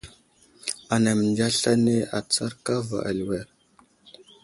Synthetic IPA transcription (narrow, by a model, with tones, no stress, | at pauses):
a˨na˨m˨nd͡ʒa˦ɬa˦ne˦a˨t͡sa˦ɾka˦va̰˨ʔa̰˨lwe˦ɾ